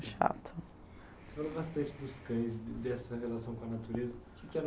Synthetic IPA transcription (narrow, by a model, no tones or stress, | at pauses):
ʃa̰t̪ʰʊ | se̥falobast̪ɐ̃nt͡ʃɪd̪ʊskɐ̃j̃zd̪ɛsɐɦelasɐ̃w̃kõɐnat̪uɾezɐkɪkɪɛɾ